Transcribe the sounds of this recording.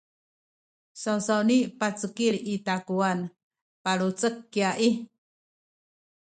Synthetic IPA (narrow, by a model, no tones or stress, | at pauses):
sawsawnipat͡səkiɾitakuan | paɭut͡səkːiaʔi